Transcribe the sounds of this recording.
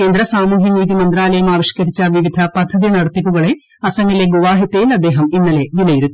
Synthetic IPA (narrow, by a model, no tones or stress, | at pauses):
keːnd̪ɾɐsaːmuːɦiniːt̪̬imɐnd̪ɾaːlɐjɐmaːʋiʂkɐɾit͡ɕːɐʋiʋid̪ʱɐpɐd̪ʱːɐd̪inɐɽɐt̪ːipːuɣɐɭe | ɐsɐŋileɡoʋaːɦit̪eːlɐd̪eːɦɐminːɐleʋilɐjiɾut̪ːi